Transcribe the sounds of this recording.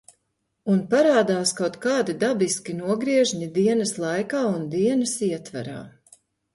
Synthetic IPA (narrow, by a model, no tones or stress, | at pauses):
unpaɾaːd̪aːskawt̪kaːd̪id̪abiskʲinuɔɡɾiɛʒɲid̪iɛnɐslˠajkaːund̪iɛnɐsiɛt̪va̰ɾa̰ː